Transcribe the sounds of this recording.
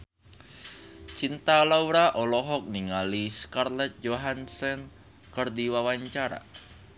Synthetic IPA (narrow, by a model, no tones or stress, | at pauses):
t͡ʃint̪alawɾaʔɔlɔɦɔk̚niŋaliskarlɛt̪̚d͡ʒoɦansɛn | kərdiwawaɲt͡ʃaɾa̰